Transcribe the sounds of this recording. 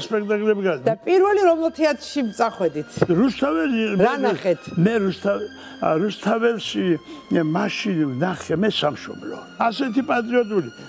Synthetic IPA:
spʼɛkʰt̪ʼakʼlɛbiɡadd̪apʼiɾvɛliɾɔmɛlt̪ʰiat̪ʰʃimt̪sʼaχwɛd̪it̪ʰɾust̪ʰavɛɾmɾanaχɛt̪ʰmɛɾust̪ʰa | ɾust̪ʰavɛlʃimaʃinvnaχɛmɛsamʃɔ̰blɔ̰ | asɛt̪ʰipʼat̪ʼɾiɔt̪ʼuli

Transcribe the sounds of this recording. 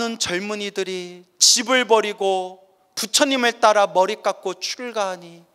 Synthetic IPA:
ɯnt͡ɕʌɭmuɲidɯɾi | t͡ɕibɯɭbʌɾiɡo | put͡ɕʰʌɲimɯɭt͈aɾamʌɾik͈ak͈̚ot͡ɕʰuɭɡaɦaɲi

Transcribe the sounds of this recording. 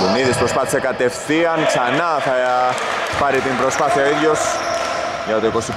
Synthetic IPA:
uniðispɾospɐθsekɐt̪e̞fθiɐŋksɐnaθa | paɾit̪impɾo̞spaθiaoiðʝo̞s | ʝɐt̪okosip

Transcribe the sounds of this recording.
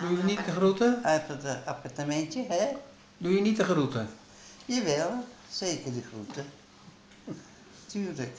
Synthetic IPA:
dujnitəxrutəpəapart̪amɛntjəɦɛ | dujənitəxrutə | jəʋɛlˠseːkədixrutə | t̪yːrlək

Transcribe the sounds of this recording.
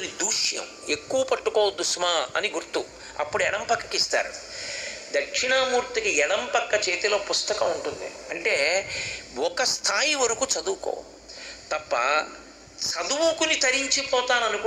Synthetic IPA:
nid̪uːʂjɐ̰m | ekːuʋɐpɐʈːukɔːɐd̪ːusmaːɐ̰niɡuɾt̪ːu | ɐ̰pːuɽuɛɽɐmpɐkːɐkist̪a̰ːɾṵ | d̪ɐkʂiɳamuːɾt̪ikiɛɽɐmpɐkːɐt͡ʃeːt̪ilo̞ːpust̪ɐkɐmuɳʈund̪ḭɐɳʈeː | ɔkɐst̪ʰaːjiʋɐɾukut͡ʃɐd̪uːko̰ː | t̪ɐpːɐ̰ | t͡ʃɐd̪uwukunit̪ɐɾiɲt͡ʃipɔːt̪aːnɐnuku

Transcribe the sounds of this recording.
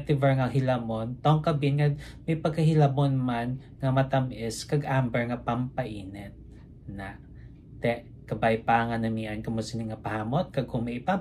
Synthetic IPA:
t̪ɪvɛɹŋɐɦɪlɐmont̪oŋkɐbinŋɐd̪̚mɐjpɐɡ̚kːɐɦɪlɐmonman | ŋɐmɐt̪ɐmʔɛskɐɡʔambɛɹŋɐpɐmpɐʔiːnɛt̪̚ | na | t̪ɛʔ | kɐbajpaŋɐnɐmiɐnkɐmʊsɐnɪŋɐpɐhaːmot̪̚kɐɡʊŋmɐɪpa

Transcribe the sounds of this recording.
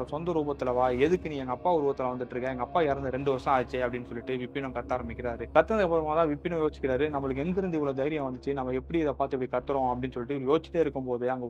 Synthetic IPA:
ɾɐsɔnd̪ɐɾuːbɐt̪ːɪlɐʋaːɛðɯkːɯniɛŋɡɐːpːaːʊɾɯbɐt̪ːɪlɐʋɐnd̪ɯʈːɾɯkːɐ̃jɛŋɡɐːpːaːɪɾɐnd̪ɯɾɛɳɖɯʋɐʂɐ̃aːt͡ʃːeɐpːɐɽɪnːɯsɔlːɪʈːɯʋɪpːɪɳɐ̃kɐt̪ːaːɾɐmbɪkːɪɾaːɾɯkɐt̪ːɐnd̪ɐɐpːɐɾɐmãːt̪ãːʋɪpːɪɳɐ̃joːst͡ʃːɪ̥kːɪɾaːɾɯnɐmːɐɭɯk̬ːɛnɡɪɾɯnd̪ɪʋɐɭːɐd̪ɐjɪɾɪjɐ̃ʋɐnd̪ɯt͡ʃːɯnɐmːɐɛpːɐɽiɪðɐpaːɾt̪ɯɛpːɐɽikɐt̪ːɯɾɔ̃ɐpːɐɽɪnːɯsɔlːɪʈːɯɾɯjoːt͡ʃːɪ̥t̪ːeɪɾɯkːɯmpoːðɯɐŋɡɐ

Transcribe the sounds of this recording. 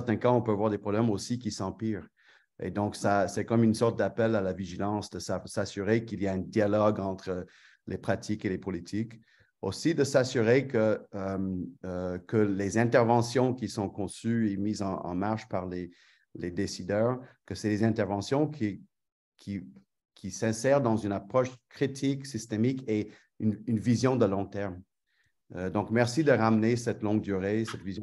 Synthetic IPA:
t̪ɛ̃kãɔ̃pøavwaʁd̪epχɔblɛmosikʲisɑ̃piːʁ | ḛd̪ɔ̃ksasɛkɔmynsɔʁt̪̚d̪apɛlalaviʒilɑ̃sd̪əsasasyʁekiliaɛ̃d̪ialɔɡɑ̃t̪χə | lʔepχat̪ʰikelepɔlit̪ʰik | osid̪əsasyʁekəəmː | kəlezɛ̃t̪ɛʁvɑ̃sjɔ̃kʲisɔ̃kɔ̃syemizɑ̃ɑ̰̃maʁʃpaʁle | led̪esid̪œːʁkəsɛd̪ezɛ̃t̪ɛʁvɑ̃sjɔ̃kʰi | kʰʲi | kʲʰisɛ̃sɛʁd̪ɑ̃zynapχɔʃkχit̪ʰiksist̪emike | ynynvizjɔ̃d̪əlɔ̃t̪ɛʁm | əd̪ɔ̃kmɛʁsid̪əʁamnesɛt̪lɔ̃ŋɡ̚d̪yʁesɛt̪vizj̃

